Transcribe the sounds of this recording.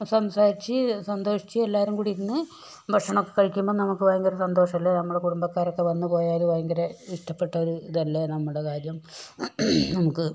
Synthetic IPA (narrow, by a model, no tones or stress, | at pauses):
sɐmsaːɾit͡ɕːɨsɐnd̪o̞ːʂi̥t͡ɕːɨelːaːʋɐɾumkuɽiɾunːɨ | bʱɐkʂɐɳokːe̞kːɐɭkʲːumbo̞ːnɐmukːɨʋajɐŋɡɐɾesɐnd̪o̞ːʂɐmɐlːenɐmːuɽekuɽumbɐkːaːɾo̞kːe̞ʋɐnːupo̞ːjaːɐðuʋajɐŋɡɐɾeiʂʈɐpːe̞ʈːɐoɾud̪ɐlːenɐmːuɽe̞kaːɾjɐm | nɐmukːɨ